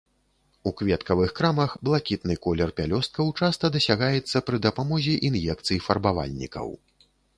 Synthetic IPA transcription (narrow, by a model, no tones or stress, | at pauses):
ukvʲɛt̪kɐvɨxkɾamɐxblˠakʲit̪nɨkɔlʲɛrpʲalʲɔst̪̚kɐwt͡ʂast̪ɐd̪ɐsʲaɣajɛt̪sːɐpɾɨd̪ɐpamɔzʲiʔinjɛk̚t̪sɨjifɐrbava̰lʲnʲḭkɐ̰w